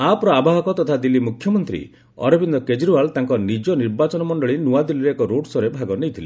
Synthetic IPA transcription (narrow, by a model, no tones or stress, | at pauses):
apɾɔabaɦɔkɔt̪ɔt̪ʰad̪ilːimukʰjɔmɔnt̪ɾḭ | ɔ̰ɾɔbʱind̪ɔked͡ʒɾualt̪aŋkɔnid͡ʒɔniɾbat͡ʃɔnɔmɔɳɖɔɭinuad̪iliɾeːkɔɾoɽsɔɾebʱaɡɔnejt̪ʰili